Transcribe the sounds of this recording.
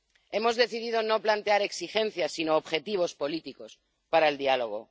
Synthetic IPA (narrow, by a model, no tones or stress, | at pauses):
emo̞zðe̞θiðið̞onoplant̪eaɾe̞ksixe̞n̟θjasinoːβxe̞t̪iβ̞o̞spo̞lit̪iko̞s | paɾaeld̪ialo̞ɣ̞o̞